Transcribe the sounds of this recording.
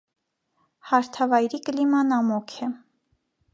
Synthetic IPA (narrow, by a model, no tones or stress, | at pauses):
hɑɾt̪ʰɑvɑjɾikəlimɑnɑmɔkʰɛ